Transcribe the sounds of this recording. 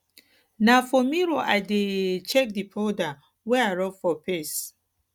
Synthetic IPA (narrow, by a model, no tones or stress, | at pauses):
nafɔmiɾoʔa̰ɪdet͡ʃɛk̚dipʰɔda | wɛaɹɔfɔpʰɛs